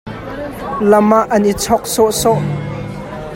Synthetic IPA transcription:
lɐmaʔɐnʔit͡sʰɔk̚sɔʔsɔʔ

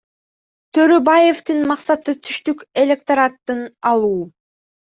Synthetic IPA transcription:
t̪ʰø̞ɾøbaje̞ft̪ɯnmɑqsɑt̪ɯt̪ʰyʃt̪yke̞lʲe̞k̚t̪ɐɾat̪ːɯnɑlˠuː

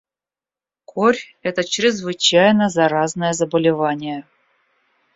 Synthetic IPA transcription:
kʰoɾʲ | ɛt̪ət͡ɕɾʲɪzvɨt͡ɕæjnəzaɾaznəjəzəbəlʲɪvanʲɪjə

